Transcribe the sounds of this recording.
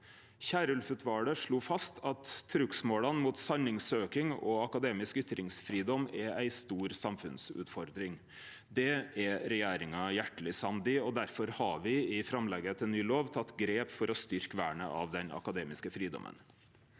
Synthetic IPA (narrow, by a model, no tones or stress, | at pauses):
çæːɾəʉlfʉːt̪ʰʋɑːɽəʂɭuːfɑst̪ʰɑt̪ʰːɾʉksmoːlɑnmuːt̪sɑnɪŋsøːkɪŋɔɑkɑd̪eːmɪskʏt̪ɾɪŋsfɾiːd̪ɔmːɛæɪst̪uːɾsɑmfʉ̰nsʉ̰ːt̪fɔɾd̪ɾɪŋ | d̪ɛɛɾɛjeːɾɪŋɑjæʈːəlɪsɑnd̪ɪɔd̪æɾfɔɾhɑʋɪɪfɾɑmlɛɡət̪ʰɪlnyːloːʋt̪ʰɑt̪ːɡɾeːpfɔɾɔst̪ʏɾkəʋæːɳə̰ʔɑ̰ʋd̪ɛnɑ̰kɑd̪eːmɪskəfɾiːd̪ɔ̰mʔə̰n